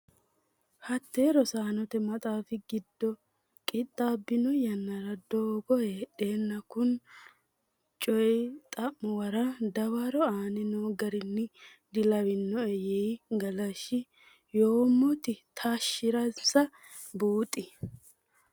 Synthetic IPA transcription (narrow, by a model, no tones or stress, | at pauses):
hɐt̪ːe̞ːɾɔsaːnɔt̪ɛmɐt̪ʼaːfɪɡɪd̪ːɔ | kʼɪt̪ʼːaːbːɪnɔjɐnːɐɾɐd̪oːɡɔeɗe̞ːnːɐkʊn | t͡ʃʼɔjt̪ʼɐʔːɔwɐɾɐd̪ɐwaːɾɔaːnɛnoːɡɐɾɪnːɪ | d̪ɪlɐwɪnːɔɛjeːɡɐlɐʃɪ | joːmɔt̪ɪt̪ʰaːʃːɪɾɐsɐ | buːt̪ʼːɪ